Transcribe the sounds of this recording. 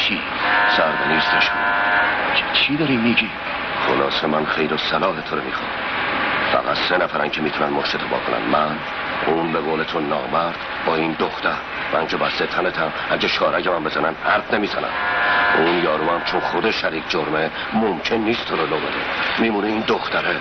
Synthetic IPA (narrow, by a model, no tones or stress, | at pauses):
kʰi | sæɾd̪eniːst̪eʃu | t͡ʃʰid̪ɒɾimːiɟiːm | χolɒːsemænχejɾosælɒːɦet̪ʰoɾomḭːxɒ̰ːn | fæ̰ɣæt̪senæfæɾæncʰemiːt̪ʰunænmoʃt̪et̪ʰobɒ̰ːkʰonæ̰nmæn | uːnbeɣoːlet̪ʰonːɒ̰ːbæɾd̪̥ | bɒːiːnd̪oxt̪æɾ | mæŋcʰebæst̪et̪ʰænet̪ʰæm | æɟeʃʰɒːɾæcʰemænmbezænænd̪hæɾt̪ne̞miːzænæ̰mʔuːnjɒːɾumæmt͡ʃʰonχod̪eʃæɾiːkd͡ʒoɾme | momcʰe̞nːiːst̪ʰoɾɒloɣeɾḭmiːmuːneiːnd̪oxt̪ʰæɾe